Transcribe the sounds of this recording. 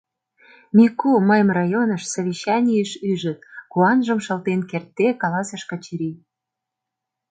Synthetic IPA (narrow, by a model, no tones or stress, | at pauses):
mʲikuməjəmrɑjonəʃsaβʲiɕːɑnʲijəʃyʒə̆t̪̚kuɑnʒəmʃə̆lt̪enkert̪ːekɑlɑsəʃkət͡ɕiɾi